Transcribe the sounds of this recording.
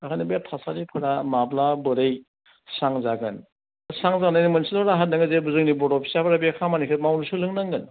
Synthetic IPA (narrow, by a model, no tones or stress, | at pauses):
akʰanibjatʰasaɾipʰɯɾamablabɯɾɯj | saŋzaɡɯn | saŋzaɡnːajnimɯnsilɔɾaɦat̚naŋɯzebuzɯŋnibɔɾɔpʰi̥sapʰaɾabekʰamanikʰɯt̚mawnusɯlɯŋnaŋɡɯn